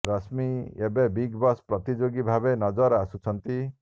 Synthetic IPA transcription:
ɾɔsmiebebiɡbɔspɾɔt̪id͡ʒoɡibʱabenɔd͡ʒɔɾasut͡ʃʰɔnt̪i

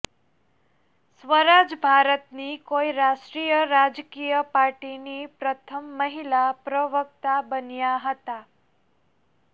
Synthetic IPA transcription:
sʋəɾad͡ʒbʱaɾət̪nikoiɾaʃʈɾijəɾad͡ʒkijəpaɾʈinipɾət̪ʰəmːəɦilapɾəʋək̚t̪abənjaɦət̪a

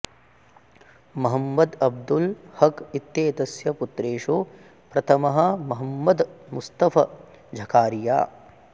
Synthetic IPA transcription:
mɐɦɐmːɐd̪ɐb̚d̪ulhɐkit̪jeːt̪ɐsjɐput̪ɾeːʂu | pɾɐt̪ʰɐmɐɦɐ̆mɐɦɐmːɐd̪must̪ɐfʰɐ | d͡ʒʱɐkʰaːɾija̰ː

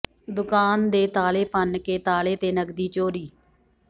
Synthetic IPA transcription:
d̪ʊkaːnd̪eːt̪aːleːpənkeːt̪aːleːt̪eːnəɡd̪iːt͡ʃoːɾiː

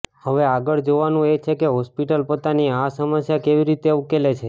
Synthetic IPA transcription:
həʋeaɡəɭd͡ʒoʋanũet͡ʃʰekeɦɔspiʈəlpot̪aniasəməsjakeʋiɾit̪eukelet͡ʃʰe

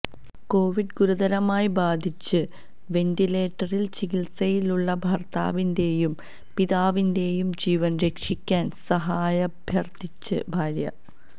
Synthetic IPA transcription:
ko̞ːʋiɖɡuɾud̪ɐɾɐmaːjibaːd̪ʱit͡ɕːɨ | ʋe̞ndile̞ːʈːɐrilt͡ɕikilsɐjiluɭːɐbʱɐrt̪a̰ːʋinde̞ːjum | piðaːʋinde̞ːjumd͡ʑiːʋɐnɾe̞kʂikʲːaːnsɐɦaːjɐbʱjɐrt̪it͡ɕːɨ̰bʱaːɾjɐ̰

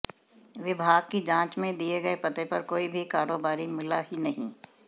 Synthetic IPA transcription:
ʋɪbʱaːɡ̚kid͡ʒãːt͡ʃmẽd̪ieɡɐepɐt̪epɐɾkoːibʱikaːɾoːbaːɾimɪlahinɐɦḭ̃ː

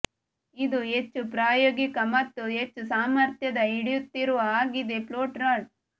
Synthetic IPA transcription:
id̪uɦet͡ʃːupɾaːjoːɡikɐmɐt̪ːuɦet͡ʃːusaːmɐɾt̪jɐd̪ɐiɽijut̪ːiɾuʋɐaːɡid̪e̞ploːʈɾɐːɖ

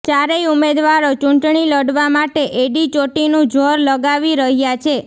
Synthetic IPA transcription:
t͡ʃaɾejumed̪ʋaɾot͡ʃũɳʈɳiləɽʋamaʈeʔeɖit͡ʃoʈinũd͡ʒʱoɾləɡaʋiɾəɦjat͡ʃʰe

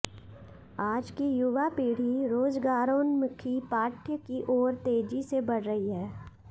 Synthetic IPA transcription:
aːd͡ʒkijʊʋapiːɽ̤iɾoːzɡaːɾõːnmʊkʰipaːʈʰjkiʔɔːɾt̪eːd͡ʒisebɐɽ̤ɾəɦiɦɛː

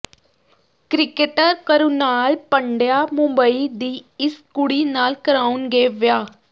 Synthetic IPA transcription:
kɾɪkeʈəɾkəɾunaːlpəɳɖjaːmʊ̃mbəiːd̪iːɪskʊɽiːnaːlkəɾaːunɡeːʋjaː

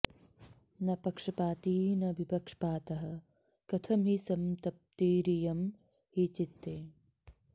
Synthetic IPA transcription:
nɐpɐkʂɐpaːt̪iːnɐʋipɐkʂɐ̥paːt̪ɐɦɐ̆ | kɐt̪ʰɐmɦisɐmt̪ɐp̚t̪iːɾijɐm | hit͡ʃit̪ːeː

